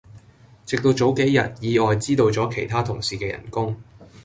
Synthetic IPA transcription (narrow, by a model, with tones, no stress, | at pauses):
t͡sɪ˨k̚t̪o˧wt͡so˨˥wke˨˥jjɐ̰˨t̚jiː˨˧ɔː˨jt͡siː˥t̪o˧wt͡sɔː˨˥kʰe˨˩jt̪ʰaː˥t̪ʰʊ˨˩ŋsiː˨kɛː˧jɐ̰˨˩nkʊ˥ŋ